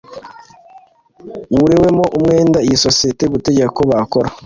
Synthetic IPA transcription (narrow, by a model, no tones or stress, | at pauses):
wuɾewemo̞ʔumŋe̞ːndaijiso̞sijeteɡute̞ɟeko̞βako̞ɾa